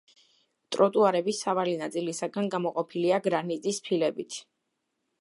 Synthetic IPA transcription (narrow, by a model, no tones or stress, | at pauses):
t̪ʼɾɔt̪ʼuaɾɛbisːavalinat̪sʼilisaɡanɡamɔqʼɔpʰiliaɡɾanit̪sʼispʰilɛbit̪ʰ